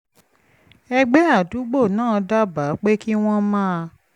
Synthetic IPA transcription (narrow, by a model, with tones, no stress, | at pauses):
ɛ˦ɡ͡bɛ˦a˦˨du˨˦ɡ͡bo˦˨nãː˦˨˧da˦ba˨˦k͡pe˦ki˦w̃ɔ̃˦mãː˦˧